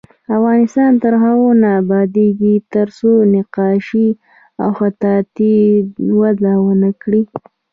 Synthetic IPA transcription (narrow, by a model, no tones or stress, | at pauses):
afɣɑnɪst̪ɑnt̪əɾɦaɣonaːbɑd̪eɡit̪əɾsonɪqɑʃi | awxat̪ɑt̪iwazawənəkɽi